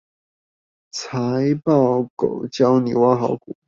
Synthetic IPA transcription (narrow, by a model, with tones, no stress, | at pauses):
t͡sʰa˧˦ɪpɑ˥˩ʊko̰˨˩ʊt͡ɕjɑ˥ʊnḭ˨˩wa˥xɑ˧˥ʊku˨˩˦